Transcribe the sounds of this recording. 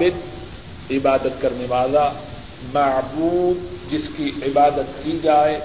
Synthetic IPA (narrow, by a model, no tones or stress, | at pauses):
bɪd̪ | ɪbaːd̪ət̪kɐɾneʋaːla | mɐʕbuːd̪̚d͡ʒɪskiɪbaːd̪ət̪̚kid͡ʒaːeː